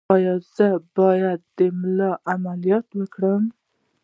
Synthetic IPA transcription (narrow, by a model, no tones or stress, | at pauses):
ɑjɑz̥əbɑjad̪ːəmlɑʔamalijɑt̪wəkɽəm